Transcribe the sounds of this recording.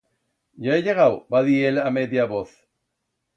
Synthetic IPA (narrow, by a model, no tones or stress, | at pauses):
jaeʎeɣawbaðielamet̪iaβoθ